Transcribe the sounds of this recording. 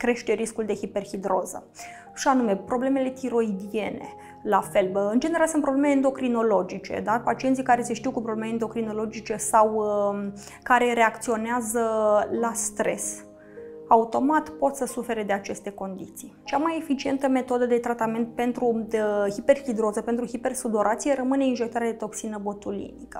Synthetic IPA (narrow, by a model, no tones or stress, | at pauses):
kɾe̞ʃt̪e̞ɾiskuld̪e̞hipe̞rhid̪ɾo̞̰zə̰ | ʃianume̞pɾo̞ble̞me̞le̞t̪iɾo̞id̪ie̞nḛ | lafe̞lɨnd͡ʒe̞neɾalsɨnpɾo̞blemeeend̪o̞kɾino̞lo̞d͡ʒit͡ʃe̞̰d̪apat͡ʃient̪sikaɾe̞seʃt̪iuwkupɾo̞blemeend̪o̞kɾino̞lo̞d͡ʒit͡ʃe̞saw | kaɾe̞ɾe̞akt̪sio̞neazəlast̪ɾe̞̰s | aut̪o̞mat̪po̞t̪səsufe̞ɾe̞d̪e̞at͡ʃe̞st̪e̞ko̞nd̪ḭt̪sijt͡ʃamaje̞fit͡ʃie̞nt̪əme̞t̪o̞d̪əd̪e̞t̪ɾat̪ame̞nt̪̚pe̞nt̪ɾuhipe̞rhid̪ɾo̞zəpe̞nt̪ɾuhipe̞rsud̪o̞ɾʔat̪sijeɾəmɨne̞inʒekt̪aɾead̪et̪o̞ksinəbo̞t̪ulḭnikə̥